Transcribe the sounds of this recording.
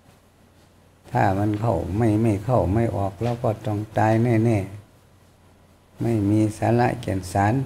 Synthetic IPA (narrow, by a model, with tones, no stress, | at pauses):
t̪ʰaː˧˩ma˧˥nkʰa˧˩wma˧˥˩jma˧˥˩jkʰa˥˩wma˥˩jʔɔː˨˩k̚lɛː˧˩wkɔː˧˩t̪ɔ˧˩ŋt̪aː˧jnɛː˧˩nɛː˧˩ | ma˥˩jmiː˧saː˨˦˥la̰˧˥ʔkḭ˨˩ənsaː˨˦n